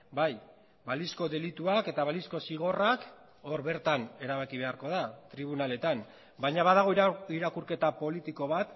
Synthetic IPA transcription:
baj | balisko̞ðe̞lit̪uake̞t̪aβalisko̞siɣ̞o̞rak | o̞ɾβe̞ɾt̪ane̞ɾaβakiβe̞aɾko̞ð̞at̪ɾiβ̞unale̞t̪am | baɲaβaðaɣ̞o̞iɾakuɾke̞t̪apo̞lit̪iko̞β̞at̪

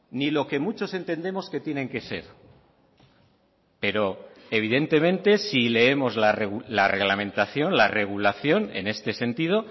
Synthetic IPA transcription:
nilo̞ke̞mut͡ʃo̞se̞nt̪e̞nd̪e̞mo̞ske̞t̪je̞nẽ̞ŋke̞se̞̰ɾ | pe̞ɾo̞e̞β̞iðe̞nt̪e̞mẽ̞nt̪e̞sile̞e̞mo̞zlareɣulare̞ɣlamẽ̞nt̪aθjo̞nlare̞ɣ̞ulaθjo̞ne̞̰ne̞st̪e̞se̞nt̪ið̞o̞

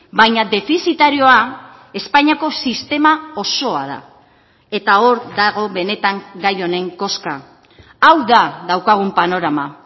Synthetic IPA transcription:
bajɲad̪e̞fisit̪aɾio̞a | e̞spaɲako̞sist̪e̞mao̞so̞a̰ð̞a̰ | e̞t̪ao̞ɾd̪aɣ̞o̞βe̞ne̞t̪aŋɡajo̞ne̞ŋko̞ska̰ | awðaðawkaɣ̞umpano̞ɾama

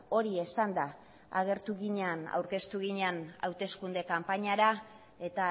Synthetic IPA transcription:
o̞ɾie̞sand̪a | a̰ɣe̞ɾt̪uɣiɲeana̰wɾke̞st̪uɣiɲeana̰wt̪e̞skund̪e̞kampaɲaɾa | e̞t̪a

